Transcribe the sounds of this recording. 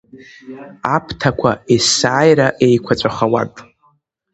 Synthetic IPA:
apʰtʰakʷʰaesaːjɾaʔe̞jkʷʰat͡sʷʼaχawa̰tʼ

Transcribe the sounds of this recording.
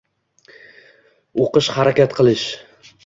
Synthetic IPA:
oqɨʃhaɾakʲat̪qʰɨlˠɪʃ

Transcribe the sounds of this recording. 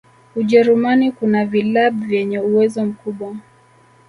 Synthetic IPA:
uʄɛɾumanikunavilaɓvjɛɲɛuwɛzɔm̩kuɓwa

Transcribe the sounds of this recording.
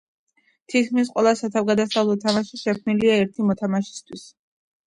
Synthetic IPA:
t̪ʰit̪̚kʰmis̬qʼwɛlˠasat̪ʰavɡad̪asavlˠɔt̪ʰamaʃiʃɛkʰmniliaɛɾt̪ʰimɔt̪ʰamaʃi̥st̪ʰwis

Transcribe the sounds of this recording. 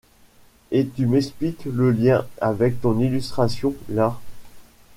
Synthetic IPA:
et̪ymɛksplikləljɛ̃avɛk̚t̪ɔ̃nilyst̪χasjɔ̃la

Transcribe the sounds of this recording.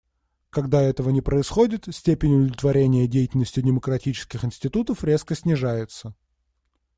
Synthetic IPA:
kɐɡd̪aɛt̪əvənʲɪpɾəɪsxo̞dʲɪt̪sʲtʲepʲɪnʲʊd̪əlʲɪt̪vɐɾʲenʲɪjədʲejɪtʲɪlʲnəsʲtʲɪdʲɪməkɾɐtʲit͡ɕɪ̥skʲɪxɪnsʲtʲɪt̪ut̪əfɾʲe̞skəsʲnʲɪʐajɪt̪sə

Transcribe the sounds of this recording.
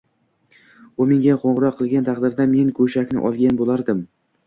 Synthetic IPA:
omɪŋɡʲaqʰoɴʁɾɒqʰːɨlˠɡʲant̪ʰɑqd̪ɪɾd̪ame̞nkʰɵʃakʲnɪ̰ʔɒ̰lˠɡʲanbolˠaɾd̪ɪm

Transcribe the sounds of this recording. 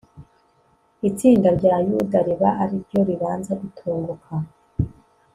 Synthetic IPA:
it͡siːndaɾɟaːjudaɾiβaʔaɾiɾɟo̞ɾiβaːnzaʔitʰoːŋɡokʰa

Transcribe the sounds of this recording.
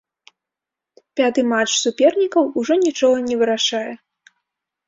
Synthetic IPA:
pʲat̪ɨmat͡ʂsupʲɛrnʲikɐwuʐɔnʲit͡ʂɔɣɐnʲɛvɨɾaʂajɛ

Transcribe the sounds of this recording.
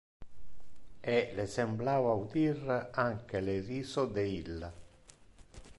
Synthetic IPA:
ɛlesemblaːvaud̪iraŋk̟eleriːsod̪eilːa

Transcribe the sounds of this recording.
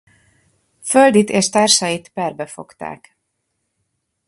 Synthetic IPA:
føld̪it̪eːʃt̪aːrʃɒjit̪pɛrbɛfo̞̰kt̪a̰ːk

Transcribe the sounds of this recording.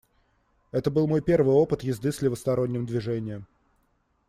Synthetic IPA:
ɛt̪əbɨlˠmo̞jpʲe̞rvɨjo̞pɨt̪jɪzd̪ɨsʲlʲɪvəst̪ɐɾo̞nʲːɪmd̪vʲɪʐɛnʲɪjəm

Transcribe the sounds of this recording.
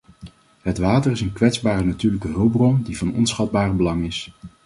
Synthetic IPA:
ɦətʋaːtərɪsənkʋɛtzbaːrənatyːɹləkəɦɵlˠbrɔndivɑnɔ̰nsχɑd̚baːrbəlɑŋɪs

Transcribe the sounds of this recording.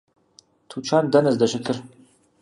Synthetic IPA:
tʰut͡ʃʰaːndɐnɐzdɐʃɨkʰɨr

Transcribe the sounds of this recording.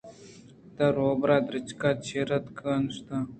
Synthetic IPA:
t̪ɐɾoːbɾaːd̪ɾɪt͡ʃkaːt͡ʃʰeɾɐt̪kənʂt̪a

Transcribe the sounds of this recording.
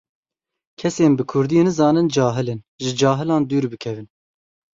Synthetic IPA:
kʰɛseːnbɨkʰʊɾd̪iːnɨzɑːnɨnd͡ʒɑːɦɨlɨn | ʒɨd͡ʒɑːɦɨlɑːnd̪yːɾbɨkʰɛvɨn

